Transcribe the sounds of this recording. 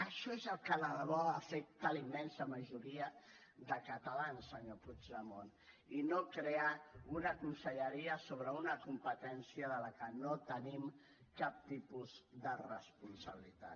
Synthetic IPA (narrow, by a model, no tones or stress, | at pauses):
əʃɔezəlˠkələβɔafek̚t̪əlimːɛnsəməʒuɾiəðəkət̪əlansəɲoput͡ʃləmon | inokɾeaunəkunsəʎəɾiəsoβ̞ɾəunəkumpət̪ɛnsiəðələkənot̪ənim | kap̚t̪ipuzðərəspunsəβilit̪a̰